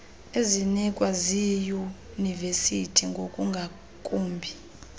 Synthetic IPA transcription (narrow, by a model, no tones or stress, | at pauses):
ezinikʼwaziju | nivesitʰiŋɡʱokʼuŋɡʱa | kʼuːmbʱi